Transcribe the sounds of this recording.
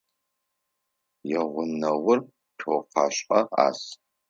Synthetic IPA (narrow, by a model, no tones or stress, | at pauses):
jɛʁʷʊnɐwʊr | tʰoːqɑːɕʼɐa̰ːs